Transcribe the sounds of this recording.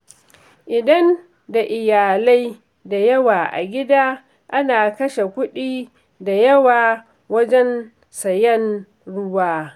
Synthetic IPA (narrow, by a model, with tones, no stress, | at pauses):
ʔɪ˨dɐ˦n | da˨ʔɪ˨jaː˨la˦j | da˨jɐ˦waː˨ʔa̰˨ɡʲɪ˦daː˦ | ʔa˦naː˨kɐ˦ʃe˨kʷʊ˦ɗiː˦ | da˨jɐ˦waː˨ | wɐ˦d͡ʒɛ˦n | sɐ˨jɛ˦n | ɽʊ˦waː˦